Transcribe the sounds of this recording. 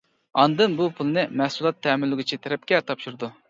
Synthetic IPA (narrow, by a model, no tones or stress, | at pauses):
ɑnd̪ɨnbupʰulˠɨnɨmɛhsulˠɑt̪ʰːɛːmɪlːɪɡʲit͡ʃʰit̪ʰɛɾɛp̚kʲɛt̪ʰɑpʃuɾɨd̪u